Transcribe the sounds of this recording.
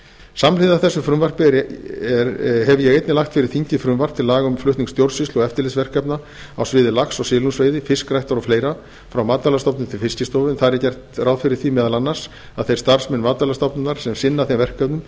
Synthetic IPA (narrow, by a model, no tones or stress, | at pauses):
samlɪðaθɛsːʏfɾʏmvar̥pɪɛɾɦɛvʏjɛɣejt̪nɪlaxt̪fɪɾɪɾ̥θiɲcɪfɾʏmvar̥p̚t̪ʰɪlaːɣʏmflʏht̪niŋkst̪jowɾsɪst̪lɔɣɛft̪ɪlɪsvɛr̥kɛpna | awsvɪːðɪlaksɔɣsɪːlunsveːjðɪfɪskrajht̪aɾɔfleːjɾa | fɾawmaːt̪alast̪ɔwpnʏmt̪ʰɪlfɪscɪst̪ɔːvɪnθaðɾɛɾcɛjr̥t̪raːwðfɪɾɪɾ̥θimɛːðalanːḁs | aðθejɾst̪ar̥smɛnːmaːt̪alast̪ɔpnʏnaɾ̥sɛmsɪnːaθejmvɛr̥kœpnʏm